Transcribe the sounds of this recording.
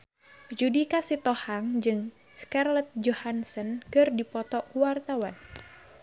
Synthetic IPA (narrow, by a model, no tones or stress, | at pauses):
d͡ʒudikasit̪ɔhaŋd͡ʒɨŋ | skarlɛt̪̚d͡ʒɔhansənkɨrdipɔt̪ɔkuwart̪awan